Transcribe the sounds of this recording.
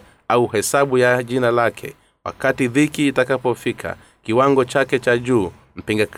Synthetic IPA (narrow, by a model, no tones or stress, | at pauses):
auhɛsaɓujaʄinalakʰɛ̰ | wa̰katiðikiːtakapɔfikʰa̰ | kiwaŋɡɔt͡ʃakɛt͡ʃaʄuː | m̩piŋɡak